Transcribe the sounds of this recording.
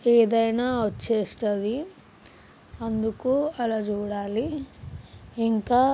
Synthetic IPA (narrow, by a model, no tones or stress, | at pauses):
eːd̪ɐjnaːʋɐt͡ʃːeːst̪ɐd̪i | ɐnd̪ukuɐlaːd͡ʒuːɽaːli | iŋkaː